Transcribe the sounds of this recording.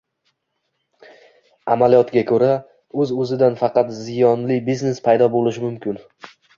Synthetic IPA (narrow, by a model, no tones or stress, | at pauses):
amalijɒt̪ɡʲakʰɵɾa | ɵzɵzɪd̪anfɑqɑt̪zɪjɒnlɪbizne̞spʰajd̪ɒbolɪʃɪmʊmkʲʰɪn